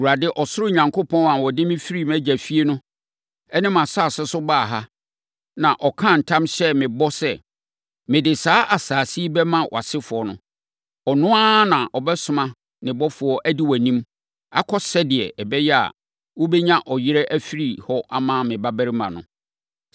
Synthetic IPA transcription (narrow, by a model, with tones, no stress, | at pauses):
u˨a˨dɪ˦ʔɔ˨sʊ˦ɾʊ˦ɲã˨ŋkʰo˦pʰɔ̃˦nã˨wɔ˨dɪ˦mɪ̃˦fi˦ɾi˦mæ̃˦d͡ʑæ˨fi˦e˦nʊ̃˦ | ɛ˦nɪ̃˦mã˨sa˦˨sɛ˦sʊ˦baː˦˨ɦa˦ | nã˨ʔɔ˨kʰã˦˨n̩˨tʰã˦mɕɛ˦mɪ̃˨bɔ˦sɛ˦˨ | mɪ̃˨dɪ˨saː˦ʔa˨saː˨si˦bɛ˦mã˦wʔɔ̰˨a˨sɪ˦fʊ˨ɔ˨nʊ̰̃˦ | ɔ˨nʊ̃˦a˦nã˨ʔɔ˨bɛ˦sʊ̃˦mã˦ | nɪ̃˨bɔ˦fʊ˨ɔ˦ʔæ˦di˦wæ˨nĩ˦m | a̰˦kʰɔ˦sɛ˦dɪ˨ɛ̰˨ʔɛ˨bɛ˦jɛ˦a̰˨ | wɔ˦bɛ˦ɲã˦ʔɔ˨jɪ˦ɾɛ˦ʔæ˦fi˦ɾi˨hɔ˦ʔa˦mãː˦˨mɪ̃˨ba˦bæ˦ɾɪ˦mã̰˨nʊ̰̃˨